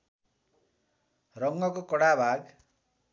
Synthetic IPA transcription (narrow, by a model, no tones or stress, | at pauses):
rʌŋɡʌkokʌɽabʱaɡ